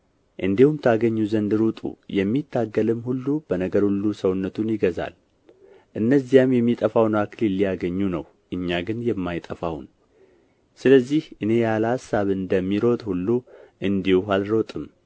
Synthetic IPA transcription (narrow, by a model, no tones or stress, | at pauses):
ʔɨnd̪ihumt̪ʰaɡəɲːuzənd̪ɨɾut̪ʼṵjɛmːit̪ʰːaɡːəlɨmhulːub̥ənəɡəɾhulːusəwnːət̪ʰunjɪɡəza̰l | ʔɨnːəzːijamjɛmːit̪ʼəfawnaklilːijaɡəɲːunə̰w | ʔɨɲːaɡɨnjɛmːajt̪ʼəfaw̰n | sɨləzːihʔɨne̞jaləhasːaβɨnd̪əmːiɾo̞t̪ʼhulːuʔɨnd̪ihualɾot̪ʼɨm